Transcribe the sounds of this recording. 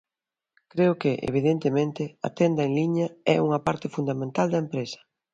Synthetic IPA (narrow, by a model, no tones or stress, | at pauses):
kɾeʊkɪʔḛβ̞iðent̪emẽnt̪ɪɐ̰t̪end̪ɐeŋliɲɐɛ̰uŋɐpaɾt̪ɪfund̪amẽnt̪ald̪ɐempɾesɐ̥